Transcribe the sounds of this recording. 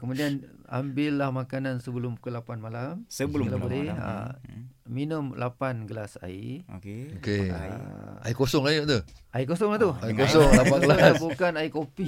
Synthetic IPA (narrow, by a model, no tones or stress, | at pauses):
kəmudiana̰mbɪlːahmakanansəbəlʊmbukalapanmalamsbəɡəlabolɛa̰ | minumlʔapanɡəlasa̰ḭokeoke | a̰ikosɔŋajoʔd̪əaikosɔŋlaht̪uaikosɔŋlaaɡlabukanaikopi